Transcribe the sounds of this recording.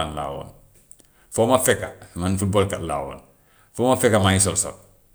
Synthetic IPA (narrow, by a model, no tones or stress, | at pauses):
anla̰ːwo̰n | fomafɛkamanfut̚boːlkatla̰ːwo̰ːn | fɔmafɛkamaɲis̬ɔlso̰